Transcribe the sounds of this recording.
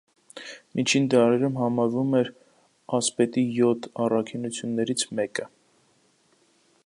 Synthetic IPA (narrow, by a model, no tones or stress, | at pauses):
mint͡ʃʰind̪ɑɾɛɾumɦɑmɑɾvumɛɾ | ɑspɛt̪ijɔt̪ʰɑrɑkʰinut͡sʰjunːɛɾit͡sʰmɛkə